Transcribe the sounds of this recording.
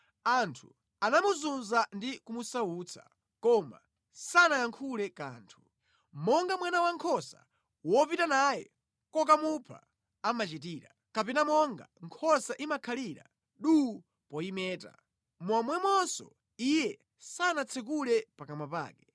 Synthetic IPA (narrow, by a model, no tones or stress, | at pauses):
antʰu | anamuzunzandikumusauːt͡sʰa̰ | kɔma̰ | sanajaŋkʰulɛkaːntʰu̥ | mɔŋɡamwanawaŋkʰɔsa̰ | wɔpitanajɛ̰ | kɔkamupʰa̰ | amat͡ʃit̬iːɾa̰ | kapɛnamɔŋɡaŋkʰɔsaʔimakʰaliɾa̰ | ɗu | pɔimɛːta̰ | mwamwɛmwɔnsɔ̰ | ijɛ | sanat͡sʰɛk̬ulɛpakamapa̰ːkɛ